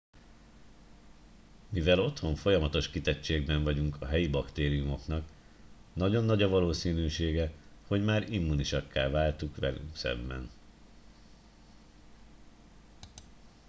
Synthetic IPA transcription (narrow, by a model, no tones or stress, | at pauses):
mivɛlo̞t̪ho̞ɱfo̞jɒmɒt̪o̞ʃkit̪ɛt͡ʃːeːɡbɛɱvɒɟuŋkʰɒɦɛjibɒkt̪eːɾijumo̞knɒk | nɒɟo̞nːɒɟɒvɒloːsiːnyːʃeːɡɛho̞ɟmaːɾimːuniʃɒkːaːvaːlt̪ukʋɛ̰ly̰ŋksɛ̰bːɛ̰n